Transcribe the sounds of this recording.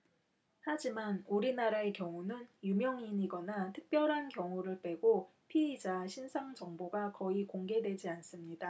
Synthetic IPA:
had͡ʑimanuɾinaɾae̞kjʌŋunɯnjumjʌŋiɲiɡʌnatʰɯk̚p͈jʌɾɦankjʌŋuɾɯɭp͈we̞ɡo | pʰiid͡ʑaɕʰinsʰaŋd͡ʑʌŋboɡakʌikoŋɡe̞dwe̞d͡ʑians͈ɯmɲida

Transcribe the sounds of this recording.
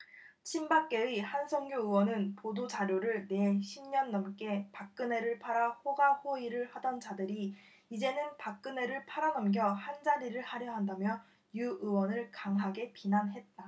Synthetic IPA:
t͡ɕʰimbak͈e̞ihansʰʌŋɡjoɯwʌnɯnpodod͡ʑaɾjoɾɯɭne̞ɕʰimɲʌnːʌmk͈e̞pak̚k͈ɯne̞ɾɯɭpʰaɾahoɡahoiɾɯɭhadʌnt͡ɕadɯɾi | id͡ʑe̞nɯnpak̚k͈ɯne̞ɾɯɭpʰaɾanʌmɡjʌhand͡ʑaɾiɾɯɭhaɾjʌɦandamjʌ | juʔɯwʌnɯɭkaŋɦaɡe̞pinanɦe̞t̚t͈a

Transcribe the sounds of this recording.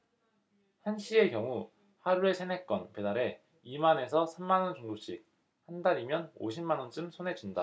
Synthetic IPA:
hanɕʰie̞kjʌŋu | haɾuɾe̞sʰenɦe̞k͈ʌnpe̞daɾe̞ | imane̞s̬ʰʌsʰemːanʌnt͡ɕoŋdoɕʰik̚ | handaɾimjʌno̰ɕʰimmanwʌnt͡ɕ͈ɯmsʰonɦe̞d͡ʑunda

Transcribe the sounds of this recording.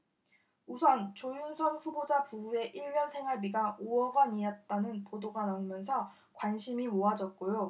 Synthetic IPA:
usʰʌnt͡ɕojunsʰʌnɸubod͡ʑapubue̞ʔiɭːʌnsʰe̞ŋwaɭbiɡaʔoʌɡaniʌt̚t͈anɯnpodoɡanaumjʌns̬ʰʌ | kwanɕʰimimoad͡ʑʌt̚k͈ojo

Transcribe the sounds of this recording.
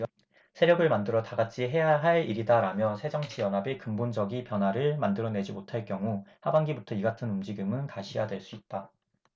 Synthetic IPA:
sʰe̞ɾjʌɡɯɭmandɯɾʌtaɡat͡ɕʰiɦe̞jaɦaɭiɾidaɾamjʌsʰe̞d͡ʑʌŋt͡ɕʰijʌnɦabekɯmbond͡ʑʌɡipjʌnwaɾɯɭmandɯɾʌne̞d͡ʑimotʰaɭkjʌŋuhabaŋɡibutʰʌiɡatʰɯnumd͡ʑiɡɯmɯnkaɕʰijadweɭs͈uit̚t͈a

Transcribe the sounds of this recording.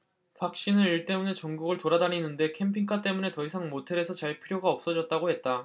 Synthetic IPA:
pak̚ɕ͈inɯniɭt͈e̞mune̞t͡ɕʌŋɡuɡɯɭtoɾadaninːɯnde̞kʰe̞mpʰiŋkʰat͈e̞mune̞tʌisʰaŋmotʰe̞ɾe̞sʰʌt͡ɕaɭpʰiɾjoɡaʌp̚s͈ʌd͡ʑʌt̚t͈aɡohe̞t̚t͈a

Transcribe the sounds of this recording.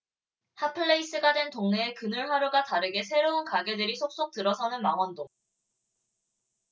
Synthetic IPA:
hapʰɯɭːeis͈ɯɡadwe̞ntoŋneːkɯnɯɭɸwaɾjoɡataɾɯɡe̞sʰe̞ɾounkaɡe̞dɯɾisʰok̚s͈ok̚tɯɾʌsʰʌnɯnmaŋwʌndo

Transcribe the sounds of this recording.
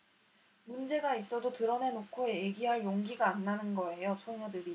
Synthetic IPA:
mund͡ʑe̞ɡais͈ʌdotɯɾʌne̞nokʰoe̞eɡiɦaɭjoŋɡiɡaːnːanɯnɡʌe̞josʰoŋʌdɯɾi

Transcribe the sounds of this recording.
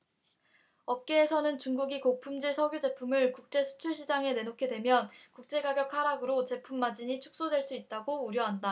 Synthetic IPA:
ʌp̚k͈e̞ːsʰʌnɯnt͡ɕuŋɡuɡikok̚pʰumd͡ʑiɭsʰʌɡjud͡ʑe̞pʰumɯɭkuk̚t͡ɕ͈e̞sʰu̥t͡ɕʰuɭɕʰid͡ʑaŋe̞ne̞nokʰe̞dwe̞mjʌnkuk̚t͡ɕ͈e̞ɡaɡjʌkʰaɾaɡɯɾot͡ɕe̞pʰumːad͡ʑiɲit͡ɕʰu̥k̚s͈odwe̞ɭs͈uit̚t͈aɡouɾjʌɦanda

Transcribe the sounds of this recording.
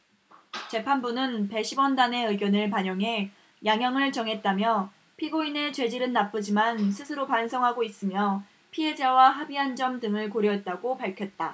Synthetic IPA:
t͡ɕe̞pʰanbunɯnpe̞ɕʰibwʌndane̞ɯɡjʌnɯɭpaɲʌŋɦe̞ | jaŋjʌŋɯɭt͡ɕʌŋɦe̞t̚t͈amjʌ | pʰiɡoinet͡ɕwe̞d͡ʑiɾɯnːap͈ɯd͡ʑimansʰɯsʰɯɾopansʰʌŋɦaɡois͈ɯmjʌ | pʰie̞d͡ʑawaɦabiɦand͡ʑʌmdɯŋɯɭkoɾjʌɦet̚t͈aɡopaɭkʰjʌt̚t͈a

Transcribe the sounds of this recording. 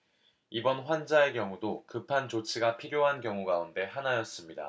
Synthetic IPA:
ibʌnɸwand͡ʑae̞kjʌŋudokɯpʰant͡ɕot͡ɕʰiɡapʰiɾjoɦankjʌŋuɡaunde̞ɦanajʌs͈ɯmɲida̰

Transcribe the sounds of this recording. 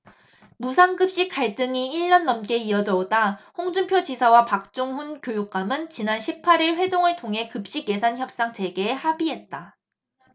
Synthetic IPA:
musʰaŋɡɯp̚ɕ͈ik͈aɭt͈ɯŋiiɭːʌnːʌmk͈e̞iʌd͡ʑʌodahoŋd͡ʑumpʰjod͡ʑisʰawapak̚t͡ɕ͈oŋɸunkjojuk̚k͈amɯnt͡ɕinanɕʰipʰaɾiɭɸwe̞doŋɯɭtʰoŋɦe̞kɯp̚ɕ͈iɡje̞sʰançjʌp̚s͈aŋt͡ɕe̞ɡe̞ːhabiɦe̞t̚t͈a

